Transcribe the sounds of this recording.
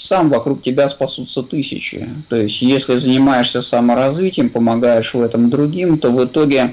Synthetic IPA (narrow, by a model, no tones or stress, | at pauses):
samvɐkɾuk̚tʲɪbʲaspɐsut̪sət̪ɨsʲɪ̰t͡ɕɪ̰t̪o̞ɪsʲtʲjesʲlʲɪzənʲɪmajɪʂsʲəsɐməɾɐzvʲitʲɪjəmpəmɐɡajɪʂvɛt̪əmd̪ɾʊɡʲimt̪o̞vɨt̪o̞ɡʲɪ